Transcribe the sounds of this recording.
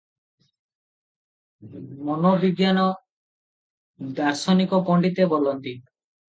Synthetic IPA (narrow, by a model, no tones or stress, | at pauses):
mɔnobiɡjanɔ | d̪aɾsɔnikɔpɔɳɖit̪ebolɔnt̪i